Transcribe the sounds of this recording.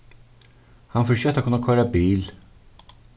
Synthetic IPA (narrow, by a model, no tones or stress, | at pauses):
hɑnfɔɕøːk̚t̪okʰːɵnakʰɔɾabiːl